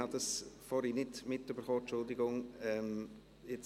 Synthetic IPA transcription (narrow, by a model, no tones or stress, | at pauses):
ɑd̥ɑsfɔɾinɪtmɪtyb̥əɾχoːt͡ʃʊldɪɡʊŋɛm | jet͡s